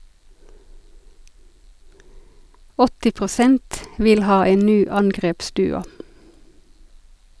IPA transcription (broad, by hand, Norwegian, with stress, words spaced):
ˈɔtɪ pʁʊˈsɛnt ˈʋɪl ˈhɑː ˈeːn ˈnyː ˈɑŋɡʁeːpˌsdʉːʊ